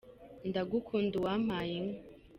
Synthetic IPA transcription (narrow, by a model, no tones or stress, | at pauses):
ndaɡukʰunduwamajiŋ